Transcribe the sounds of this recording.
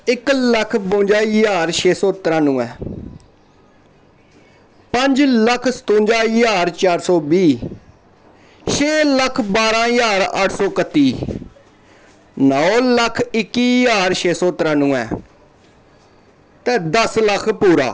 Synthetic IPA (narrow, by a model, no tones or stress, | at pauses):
ɪkləkʰbõːnd͡ʒaːjaːɾʃʰeːsɔːt̪əɾãːnũːɛː | pəɲd͡ʒləkʰsə̥t̪õːnd͡ʒaːjaːɾt͡ʃaːɾsɔːbiː | ʃʰeːləkʰbaːɾãːjaːɾəʈʰsɔːkət̪ːiː | nəoləkʰɪkːiːjaːɾʃeːsɔːt̪əɾãːnũːɛ̰ː | t̪ɛːd̪əsləkʰpuːɾa̰ː